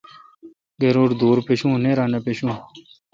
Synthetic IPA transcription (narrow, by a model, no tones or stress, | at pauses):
ɡeɾuːɾd̪uːɾpeɕũːneːɾaːnepeɕũː